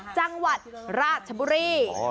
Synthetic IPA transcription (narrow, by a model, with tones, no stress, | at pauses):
t͡ɕa˧ŋwa˨˩t̪̚ɾaː˧˩t̪̚t͡ɕʰə˧˩bu˧ɾiː˧